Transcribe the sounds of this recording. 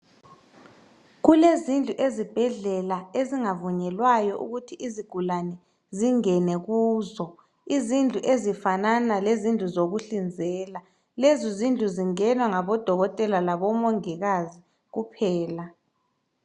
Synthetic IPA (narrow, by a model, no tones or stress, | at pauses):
ɣulezind͡ɮʱuʔezib̥ʱɛɮɛlaeziŋavuɲɛlwajɔʔṵɣutʰiʔiziɡ̥ʱulanɛ | ziŋɛnɛɣuːzɔ | izind͡ɮʱuʔezifananalezind͡ɮʱuzoɣuɬind͡zʱɛːla | lezizind͡ɮʱuziŋɛnwaŋaβɔd̥ʱɔɣɔtʼɛlalaβɔmɔŋiɣazi | ɣupʰɛːla